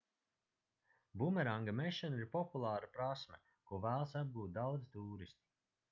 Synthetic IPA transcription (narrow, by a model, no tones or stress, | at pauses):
bumɛɾaŋɡameʃɛniɾpɔpulˠaːɾapɾasmɛ | kuɔvæːlˠsab̪̚ɡuːt̪̚d̪awd̪zit̪uːɾist̪i̥